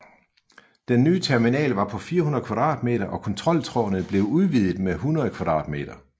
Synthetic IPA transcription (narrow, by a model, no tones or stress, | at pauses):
d̥enːyːt͡sʰæɐminɛ̰ːlʋɑ̈pʰɒ̽fiːɐhunɐðˠkʰʋɑ̈d̥ʁɑ̰̈ːd̥me̝̰ːɾɐʔɒ̽kʰɒ̽nt͡sʰʁɒ̽l̰t͡sʰʁɒ̰ːnð̩ˠb̥le̝ʊuð̞ˠʋið̰ˠð̩ˠmeɦunɐð̞̩ˠkʰʋɑ̈d̥ʁɑ̈ːd̥me̝̰ːd̥ɐ